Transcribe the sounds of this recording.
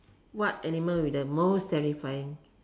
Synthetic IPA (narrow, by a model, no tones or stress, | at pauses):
wɔt̚ɛniməwidəmossɛɹifajĩŋ